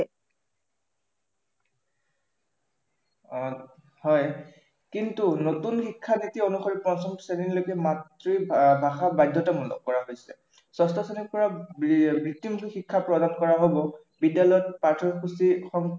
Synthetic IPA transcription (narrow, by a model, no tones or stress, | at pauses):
hɔj | kintunotunxikʰːanitionuxoɹipɔnsɔmsenilokɛmatɹibʱaxabajdʱɔtamulɔ̰kɔɹaɦojsɛ | sɔstɔsenikpɔɹabɹitːimixikʰːapɹɔdankɔɹaɦobɔ | bidːalɔjɔt̚patʰɔɹxusixɔŋ